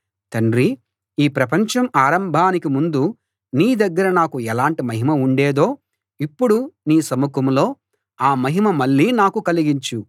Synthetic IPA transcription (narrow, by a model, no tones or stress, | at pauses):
t̪ɐɳɾi | iːpɾɐpɐɲt͡ʃɐmaːɾɐmbʱaːnikimund̪u | niːd̪ɐɡːɐɾɐnaːkuɛlaːɳʈimɐɦimɐuɳɖeːd̪o̞ː | ipːuɽuniːsɐmukɐmlo̞ː | aːmɐɦimɐmɐɭːiːnaːkukɐliɡiɲt͡ʃu